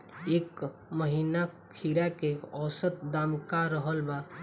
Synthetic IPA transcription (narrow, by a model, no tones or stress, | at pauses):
eːk | məɦiːna | kʰiɾakeɔːsət̪̚d̪aːmkaɾəɦəlba